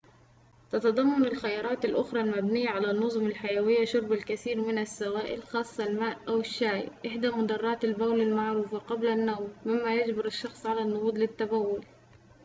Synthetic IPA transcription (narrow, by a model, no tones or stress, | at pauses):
t̪ɑt̪ɑd̪ˤɑmːɑnɪlxajɑːɾˤɑːt̪ɪlʔʊxɾˤɑlmabnɪjːaʕalanːʊzˤʊmɪlħajawɪjːaʃʊɾˤbalkaθiːɾmɪnasːawaːʔɪlxɑːsˤːɑlmaːʔʔawɪʃːaːjʔɪħd̪amʊd̪ɑrˤːɑːt̪albawlalmaʕɾuːfaqɑblanːawmːɪmːajad͡ʒbɑɾɪʃːɑxsˤʕalanːʊɣuːd̪lɪt̪ːabawːʊl